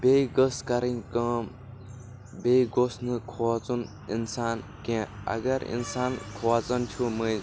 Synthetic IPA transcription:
bejɡəskaɾinkə̃m | bejɡosnɨkʰowat͡sun | insaːnkẽɐ̰ɡɐɾḭnsaːnkʰowat͡sɐnt̪ʰumɨj

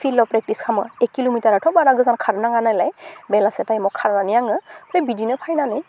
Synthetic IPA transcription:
pʰilɔvpɹɛk̚tiskʰamɔ̰ɹɛkːilomitaɹatʰɔbaɾaɡɯzankʰaɹnaŋanajlajbɛlasɛtajmɔkʰːaɹnanijaŋɯpɹajbidinɛpʰajnanɛj

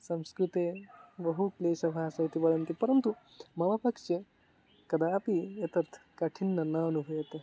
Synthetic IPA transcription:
sɐmskɾut̪ebɐɦukleːʃɐbʱaːsɐɦit̪iʋɐɽɐnt̪ipɐɾɐnt̪u | mɐʋapɐkt͡ʃe | kɐd̪aːpiet̪ɐɾt̪ʰkɐʈʰinːɐnɐɐnubʱujet̪e

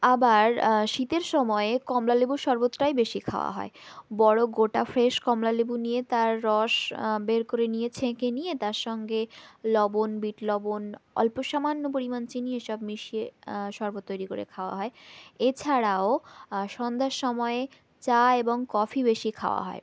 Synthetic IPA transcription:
abaɾʃit̪eɾʃɔmɔekɔmlalebuʃɔɾbot̪ːɾajbeʃikʰa̰oa̰ɦɔ̰ebɔɽoɡoʈafʰɾeʃkɔmlalebunijet̪aɾːɔʃbeɾkoɾenijet͡ɕʰekenijet̪aɾʃɔŋɡelɔbonbiʈlɔbonɔ̰lpoʃamanːop̬oɾimant͡ɕinieʃɔbmiʃieʃɔɾbot̪ːojɾikoɾḛkʰaoa̰ɦɔeet͡ɕʰaɾaoʃɔnd̪ʱaʃʃɔmɔe | t͡ɕaeboŋkɔfʰibeʃikʰa̰oa̰ɦɔ̰e

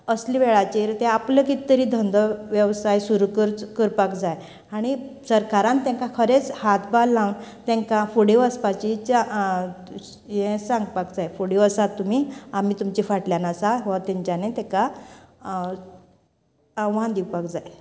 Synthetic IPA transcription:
əsliʋeɭat͡ɕiɾt̪eapləkit̪əɾiːd̪ʱənd̪ʱəʋjəʋsajsuɾukəɾkəɾpakd͡zaj | aɽ̃isəɾkaɾãnt̪ɛ̃ŋkakʰəɾet͡shat̪ʰbalːãwnt̪ɛ̃ŋkafuɽeʋəspat͡ɕit͡ɕa | jẽsãŋɡpakd͡zajfoɽiʋəsat̪ːum̤iːamiːt̪umt͡ɕifaʈljanasaʋat̪ɛ̃ɲt͡ɕanet̪ɛka | aʋãnd̪iwpakd͡zaj

